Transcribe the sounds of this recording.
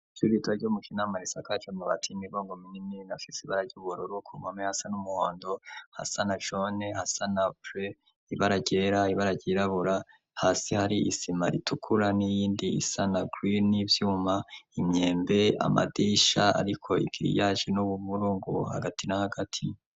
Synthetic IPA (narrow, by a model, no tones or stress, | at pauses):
t͡ʃuɾitwaɟumuʃinamaɾisakat͡ʃomuβa̰tʰimiɡoːŋɡominiminafisiβaɾaɾɟuːβuɾoɾukʰumamehasanumuhoːndo̞ha̰sanaʒo̞nehasanapɾe | iβaɾaɟeːɾaiβaɾaɟeɾaβuɾa | haːsihaɾiisima̰ɾitʰukʰuɾanijiːndiḭsanaɡɾinivjuːmaimɲe̞ːmbe̞a̰ma̰diʃaa̰ɾikʰo̞ḭɡ̥iɾḭjaːʒenuβuβuɾuːŋɡṵha̰ɡatinahaɡatʰi